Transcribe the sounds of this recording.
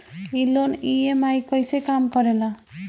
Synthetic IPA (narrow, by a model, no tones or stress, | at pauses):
iloniemaikojsekaːmkɔɾela